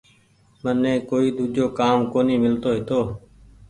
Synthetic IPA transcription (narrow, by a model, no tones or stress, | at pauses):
mənːẽːkoːiːd̪ʱuːd͡ʒoːkaːmkoːniːmɪlt̪oːɦɪt̪oː